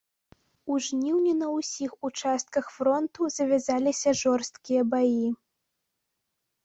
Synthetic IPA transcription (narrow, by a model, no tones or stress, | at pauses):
uʐnʲiwnʲinɐusʲixut͡ʂast̪̚kɐxfɾɔnt̪uzɐvʲazalʲisʲɐʐɔrst̪̚kʲijɐbaji